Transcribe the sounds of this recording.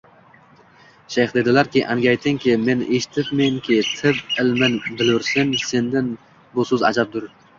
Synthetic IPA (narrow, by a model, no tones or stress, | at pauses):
ʃejχd̪e̞d̪ɪlaɾkʲɪʔaŋɡʲajt̪ʰɪŋkʲʰɪme̞neʃɪ̥t̪ʰɪp̚meŋkʲʰɪt̪ʰɪpɪlmɪnbɪlʊɾsɪnse̞nd̪ɪn | bʊsɵza̰d͡ʒap̚d̪ʊɾ